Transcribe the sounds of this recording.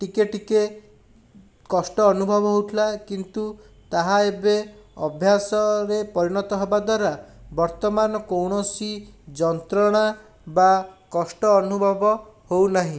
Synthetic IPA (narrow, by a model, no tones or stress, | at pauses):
ʈikeʈike | kɔsʈɔːnubʱɔbɔɦowʈʰilakint̪u | t̪aɦaebeɔbʱjasɔɾepɔɾiɽ̃ɔt̪ɔɦebad̪waɾabɔɾt̪ɔmanɔkowɽ̃ɔsid͡ʒɔnt̪ɾɔɽ̃a | bakɔsʈɔːnubʱɔbɔhownaɦĩ